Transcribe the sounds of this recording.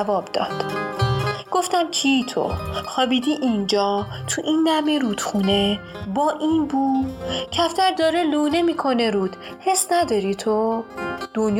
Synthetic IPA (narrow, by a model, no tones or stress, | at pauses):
vɒːbd̪ɒːd̪̥ | ɡ̥o̞ft̪æmcʰit̪ʰo̰xɒːbiːd̪iːʔind͡ʒɒː | t̪ʰuʔiːnd̪æmeɾuːd̪̥xune | bɒːʔiːnbuːcʰæft̪ʰæɾd̪ɒːɾeluːnemiːkʰo̞ne̞ɾuːd̪̥ | he̞snæd̪ɒɾiːt̪ʰo | d̪̥onj